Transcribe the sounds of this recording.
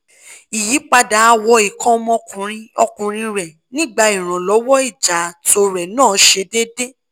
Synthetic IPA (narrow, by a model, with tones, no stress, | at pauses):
i˨ji˨˦k͡pa˧da˨˦a˧wɔ˧i˨kɔ̃˦mɔ̃˧˦kũ˨ɾ̃ĩ˧ɔ˧kũ˨ɾ̃ĩ˧ɾɛ˨ | nĩ˦ɡ͡ba˧i˨ɾ̃ã˨lɔ˨˦wɔ˦i˦˨d͡ʒa˨to˧ɾɛ˨nãː˦˨˦ʃe˧de˦de˦